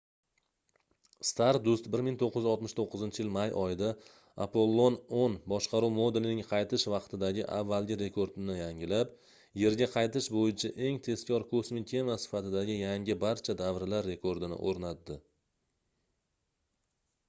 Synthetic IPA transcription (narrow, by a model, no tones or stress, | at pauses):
st̪ʰaɾd̪ʊst̪̚bɪɾmɪŋt̪ʰoqʰːɨɪzɒlˠt̪mɪʃt̪ʰoqːɨzɪnt͡ʃʰɪjɪlmajɒjɪd̪a | a̰pʰo̞lˠːononbɒʃqʰɑɾuwmo̞d̪e̞lɪnɪŋqʰɑjt̪ʰɪʃvɑqt̪ʰɪd̪aɡʲɪʔa̰vːalˠɡʲɪɾe̞kʰoɾd̪nɪjaŋɪlap | je̞ɾɡʲaqʰɑjt̪ɪʃbojɪt͡ʃʰaʔe̞ŋt̪ʰe̞skʲʰɒɾkʰosmikʲʰe̞masɪ̥fat̪ɪd̪aɡʲɪjaŋʲɪbaɾt͡ʃʰad̪avɾlaɾːe̞kʰoɾd̪ɪnɪ̰ʔoɾnad̪ːɪ